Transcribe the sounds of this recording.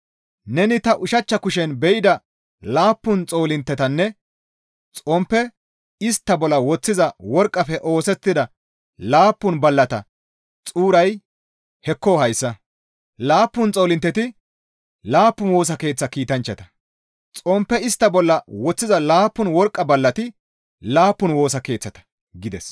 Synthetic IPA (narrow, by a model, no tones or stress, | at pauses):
nɛnɪt̪ɐʔʊʃɐt͡ʃːɐkʊʃɛnbɛʔɪd̪ɐ | laːpːʊnt͡sʼoːlɪnt̪ːɛt̪ɐnːɛ | t͡sʼɔmpːɛ | ɪst̪ːɐbɔlːɐwɔt͡sːɪzɐwɔɾkʼːɐfɛʔo̞ːsɛt̪ːɪd̪ɐ | laːpːʊnbɐlːɐt̪ɐ̰ | t͡sʼuːɾɐj | hɛkːɔhɐjsːɐ | laːpːʊnt͡sʼo̞ːlɪnt̪ːɛt̪ɪ | laːpːʊnwo̞ːs̬ɐke̞ːt͡sːɐkiːt̪ɐnt͡ʃːɐt̪ɐ̥ | t͡sʼɔmpːɛɪst̪ːɐbɔlːɐwɔt͡sːɪzɐlaːpːʊnwɔɾkʼːɐbɐlːɐt̪ɪ | laːpːʊnwo̞ːsɐke̞ːt͡sːɐt̪ɐ̥ | ɡɪd̪ɛs